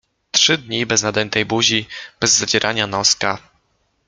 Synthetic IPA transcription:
t̪ʂɘd̪ɲibɛznad̪ɛnt̪ɛjbuʑib̥ɛzːad͡ʑɛɾʔaɲanɔska

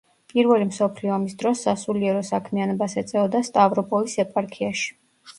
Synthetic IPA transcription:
pʼiɾvɛlimsɔpʰliɔːmisd̪ɾɔsːasuliɛɾɔsakʰmianɔbasɛt̪sʼɛɔd̪ast̪ʼavɾɔpʼɔlisɛpʼaɾkʰiaʃi̥

